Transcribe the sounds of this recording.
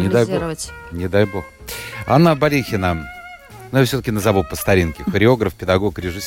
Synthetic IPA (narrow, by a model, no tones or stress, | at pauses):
nʲɪd̪ajbonʲɪd̪ajbo̞x | a̰nːəbɐlʲixʲɪnə | nʊjafsʲɵt̪əkʲɪnəzɐvɨlˠpəst̪ɐɾʲinkʲɪxəɾʲɪo̞ɡɾəfpʲɪd̪ɐɡo̞kɾʲɪʐɨsʲ